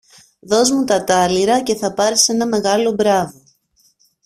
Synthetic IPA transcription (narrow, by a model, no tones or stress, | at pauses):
ðo̞zmut̪ɐt̪ɐliɾɐce̞θɐpɐɾise̞nɐme̞ɣɐlo̞bɾɐvo